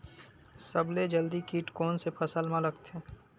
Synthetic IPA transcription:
səbled͡ʒəld̪ikiːʈkɔːnsepʰəsəlmãləɡt̪eː

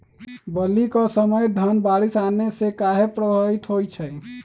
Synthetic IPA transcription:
bəlːikɔsəməjd̪ʱənbaɾisanesekaɦepɾəbʱəit̪ɦojt͡ʃʰəj

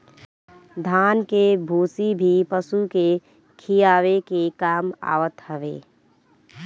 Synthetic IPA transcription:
d̪ʱaːnkebʱuːsibʱipəsuke | kʰijaːʋekekaːma̰ːʋət̪həʋḛː

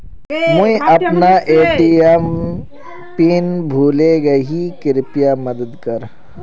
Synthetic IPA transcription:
mʊĩʔɐpnaʔeːʈijəm | piːnbʱuːleɡɐɦikɪɾɪpijamɐd̪əd̪kəɾ

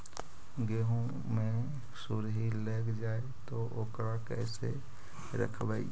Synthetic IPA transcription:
ɡeɦõ | mẽ | suɾɦileːɡd͡ʒae | t̪oʔokɾakɛɪsḛ | ɾə̰kʰbai

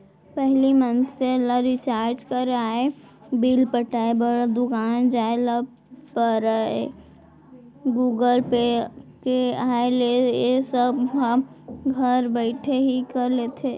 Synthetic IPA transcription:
pɛɦlimənseləɾit͡ʃaːɾd͡ʒkəɾaːe | biːlpəʈaːebəɽd̪ʊkaːnd͡ʒaːeləb̚ | pəɾaḛ | ɡuːɡəlpekeaːelejesəbɦəɡʱəɾbɛɪʈʰeɦikəɾleːt̪ʰe

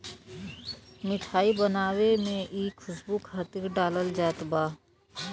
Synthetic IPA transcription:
mɪʈʰaːibənaːwemẽʔiːkʰʊsbukʰat̪ɪkɖaːləld͡ʒaːt̪baː

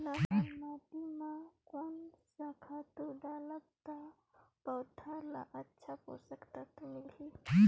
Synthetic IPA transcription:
lamat̪imãkonsakʰat̪uɖaləb̚t̪a | pəwt̪ʰala̰ʔətːʃʰapo̰səkt̪at̪umilɦi

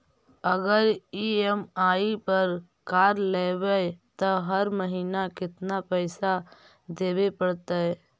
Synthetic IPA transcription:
əɡəɾiemaːipəɾ | kaːɾleːwɛt̪oɦəɾməɦiːnakɪt̪napɛːsa | d̪eːbepəɽt̪aɦɛ

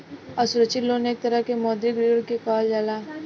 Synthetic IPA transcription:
ɐsʊɾət͡ʃɪlːoːneːk̚t̪ɐɾəkemɔːd̪iɡɾiɽkekaːld͡ʒaːlaː

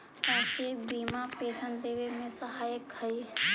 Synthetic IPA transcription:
asebiːmapeːsənd̪eːwemẽsəɦajəkhəi

